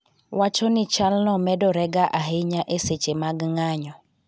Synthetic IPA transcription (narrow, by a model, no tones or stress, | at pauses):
wat͡ʃɔnɪt͡ʃalnɔmɛdɔɾɛɡaʔaɦeɲaʔeset͡ʃemaɡŋaɲɔ